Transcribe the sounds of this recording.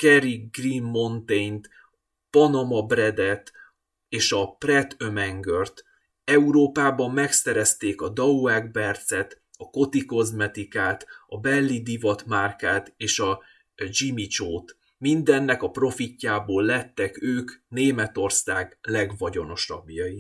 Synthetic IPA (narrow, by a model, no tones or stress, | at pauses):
kɛɾiɡrimːo̞nt̪ejnt̪ | pɒnɒmɒbɾɛd̪ɛt̪ | eːʃɒprɛt̪ømɛŋɡørt̪ | ɛuɾoːpaːbɒmːɛksɛɾɛst̪eːkɒd̪ɒuɛɡ̚bɛrt̪sɛt̪ | ɒko̞t̪iko̞zmɛt̪ikaːt̪ɒbɛlːid̪ivɒt̪maːrkaːt̪eːʃɒ | d͡ʒimit͡ʃoːt̪ | mind̪ɛnːɛkɒpro̞ficːaːboːlːɛt̪ːɛkøːkneːmɛt̪o̞rsaːɡlɛɡvɒɟo̞no̞ʃɒ̰bːjɒji